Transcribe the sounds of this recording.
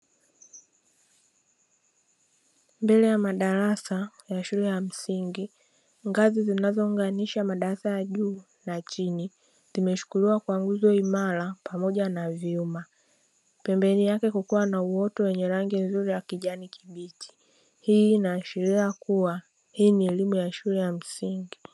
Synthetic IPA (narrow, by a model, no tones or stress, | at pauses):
mbɛlɛjamaɗaɾasa | jaʃulɛjam̩siŋɡi | ŋɡazizinazɔuŋɡaniʃamaɗaɾasajaʄuː | nat͡ʃini | zimɛʃu̥kuliwakwaŋɡuzɔimaɾapamɔʄanaviuma | pɛmbɛnijakɛkukuwanauwɔtɔwɛɲɛɾaŋɡinzuɾiwakiʄanikʰiɓitʰi̥ | hiːnaːʃiɾiakuwa | hiːniɛlimujaʃulɛjam̩siŋɡi